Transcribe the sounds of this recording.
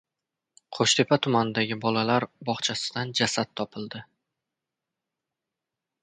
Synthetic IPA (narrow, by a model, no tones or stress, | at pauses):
qʰoʃt̪ʰe̞pʰat̪ʰʊmanɪd̪aɡʲɪbɒlalaɾbɒχt͡ʃʰasɪ̥d̪and͡ʒasat̪̚t̪ʰːɒpʰɪld̪ɪ